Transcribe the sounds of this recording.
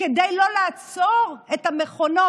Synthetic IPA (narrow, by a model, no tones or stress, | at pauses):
ed̪ajlo̞laːt͡soʁet̪ameχo̞no̞